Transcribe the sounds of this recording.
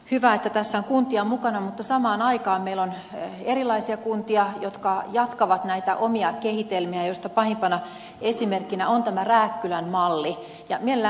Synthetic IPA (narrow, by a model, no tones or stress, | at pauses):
hyʋæet̪ːæt̪æsːæoŋkunt̪iɑmukɑnɑmut̪ːɑsɑmɑːnɑikɑːmmeilon | erilˑɑisiɑkunt̪iɑjot̪kɑjɑt̪kɑʋɑt̪næit̪æ̰ʔomiɑkehit̪elmiæjoist̪ɑpɑhimpɑnɑ | esimerkːinæont̪æmæræːkːylænmɑlːi | jɑmielæ